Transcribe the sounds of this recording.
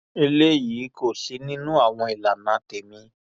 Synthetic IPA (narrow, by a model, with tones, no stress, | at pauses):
i˧le˦jiː˨˦ko˦˨si˨˧˦nĩ˦nũ˦a˦˨w̃ɔ̃˧i˨la˨nã˨˦te˨mĩ˧